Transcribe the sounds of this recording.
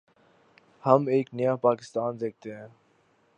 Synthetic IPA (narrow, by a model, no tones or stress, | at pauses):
hɐmeːknijaːpaːkɪ̥st̪aːnzeːk̚t̪eɦɛ̃ː